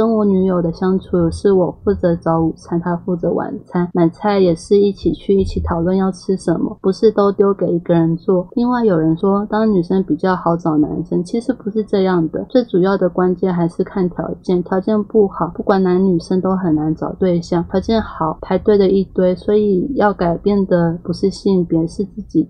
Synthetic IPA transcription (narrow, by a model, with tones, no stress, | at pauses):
ə˥ŋwɔ˧˥ny˧˥jo˨˩ʊd̪ə˦ɕjɑ˥ŋt͡sʰu˧˥ʂɻ̩˥˩wɔ˨˩fu˥˩t͡sɤ˧˥t͡sɑ˧˥ʊu˨˩t͡sʰa˥nt̪ʰa˥fu˥˩t͡sɤ˧˥wʔa̰˨˩nt͡sʰa˥nna˨˩nt͡sʰa˥˩ɪjɛ˨˩ʂɻ̩˥˧i˥˩t͡ɕʰi˨˩t͡ɕʰy˥˧i˥˩t͡ɕʰi˨˧˥t̪ʰɑ˨˩ʊlwə˥˧njɑ˥˩ʊʈ͡ʂʰɻ̩˥ʂə˧˥nmə̰˧pu˧˥ʂɻ̩˥˧t̪o˥ʊt̪jo˥ʊke˨˩ɪi˧˥ɡə˧ɻə˧˥nt͡swɔ˥˩li˥˧ŋwa˥˩ɪjo˨˩ʊɻə˧˥nʂwɔ˥t̪ɑ˥ŋny˨˩ʂə˥ŋpi˨˩t͡ɕjɑ˥˩ʊxɑ˧˥ʊt͡sɑ˨˩ʊna˧˥nʂə˥ŋt͡ɕʰi˧˥ʂɻ̩˧˥pu˧˥ʂɻ̩˥˧ʈ͡ʂɤ˥˧jɑ˥˩ŋd̪ə̰˩t͡sʈ͡ʂu˨˩jɑ˥˩ʊd̪ə˩kwa˥nt͡ɕjɛ˥˩nxa˧˥ɪʂɻ̩˥˧kʰa˥˩nt̪ʰjɑ˧˥ʊt͡ɕjɛ˥˩nt̪ʰjɑ˧˥ʊt͡ɕjɛ˥˧npu˥˩xɑ˨˩˦ʊpu˥˩kwa˨˥˩nna˧˥nny˨˩ʂə˥ŋt̪o˥ʊxə˨˩nna˧˥nt͡sɑ̰˨˩ʊt̪we˥˧ɪɕjɑ˥˩ŋtʰjɑ˧˥ʊt͡ɕjɛ˥˩nxɑ˨˩˦ʊp̪ʰa˧˥ɪt̪we˥˩ɪd̪ə˨i˥˩t̪we˥˩ɪswɔ˧˥i˨˩jɑ˥˩ʊka˨˩ɪpjɛ˥˩nd̪ə˩pu˧˥ʂɻ̩˥˧ɕi˥˩ŋpjɛ˧˥˧ʂɻ̩˥˧t͡sɹ̩˥˩t͡ɕi˨˩˦